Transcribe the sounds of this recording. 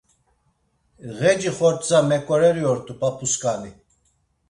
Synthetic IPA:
ɣɛd͡ʒiχɔɾt͡sʼamɛkʼɔɾɛɾiɔɾt̪ʰʼupʰʼapʰuskʼani

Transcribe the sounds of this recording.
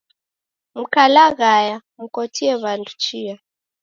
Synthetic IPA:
m̩kʰalaɣaja | m̩kotʰiɛβantʰʼu̥t͡ʃʰiːja

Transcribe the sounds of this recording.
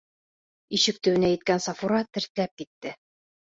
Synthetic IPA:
iʃɘk̚t̪ɘ̆wɘ̆næjɘ̆t̪̚kænsɑfuɾɑt̪ɘ̆ɾt̪ɘ̆læp̚kit̪ːɘ

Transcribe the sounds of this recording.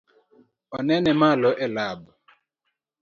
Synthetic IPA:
ɔnɛnɛmalɔʔɛlab

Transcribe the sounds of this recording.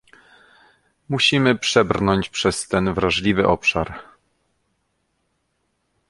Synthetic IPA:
muɕimɘpʂɛbɾnɔɲt͡ɕpʂɛst̪ɛnvɾaʐlʲivɘ̰ʔɔpʂaɾ

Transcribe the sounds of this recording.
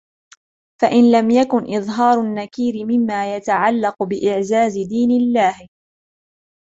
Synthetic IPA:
faʔɪnlamjakʊnʔɪðˤɦɑːɾˤanːakiːɾɪmɪmːaːjat̪aʕalːɑqbɪʔɪʕzaːzɪd̪iːnɪlːaːh

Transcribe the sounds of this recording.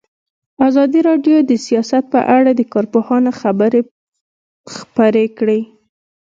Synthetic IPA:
azɑd̪iɾɑɖjod̪əsijɑsat̪̚pə̰ʔaɽad̪əkɑɾpohɑnaxabəɾe | xpaɾekɽe

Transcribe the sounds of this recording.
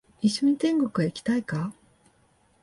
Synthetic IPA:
iɕːoɲ̟it̪ẽ̞ŋɡo̞kɯ̟βaikʲi̥t̪aika

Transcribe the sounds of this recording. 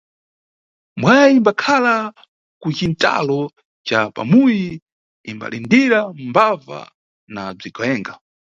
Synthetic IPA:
mwajaimbakʰala | kut͡ʃinta̰lɔ | t͡ʃapa̰muji | imba̰lindiɾambava̰ | nab͡ʐikʰɔjɛːŋɡa

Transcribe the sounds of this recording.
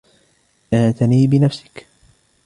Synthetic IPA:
ʔant̪aniːbɪnafsɪ̥k

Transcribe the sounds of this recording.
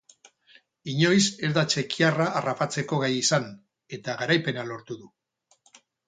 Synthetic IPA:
iɲo̞jse̞ɾðat͡ʃe̞kiaraʔːrapat͡se̞ko̞ɣajisan | e̞t̪aɣaɾajpe̞nalo̞ɾt̪uðu

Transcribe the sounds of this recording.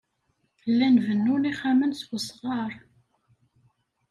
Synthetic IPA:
lːænvənːʊniχæmənswəsʁɑɾˤ

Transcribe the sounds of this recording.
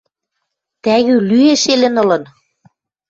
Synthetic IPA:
t̪æɣylyeʃelɘ̆nɤ̆lɤ̆n

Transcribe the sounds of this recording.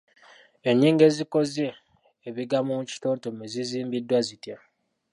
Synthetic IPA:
e̞ɲːiːŋɡe̞zikozeː | βiɡamumuci̥toːntomeziziːmbidːwazitja

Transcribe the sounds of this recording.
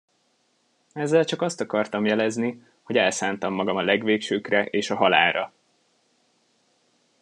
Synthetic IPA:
ɛzːɛlt͡ʃɒkɒst̪ɒkɒrt̪ɒmjɛlɛzni | ho̞ɟɛlsaːnt̪ɒmːɒɡɒmɒlɛɡʋeːkʃøːkrɛʔeːʃɒɦɒla̰ːɾɒ

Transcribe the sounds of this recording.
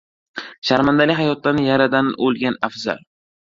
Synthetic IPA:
ʃaɾmand̪alɪɦajɒt̪lanɪjaɾad̪anolˠɡʲanafza̰l

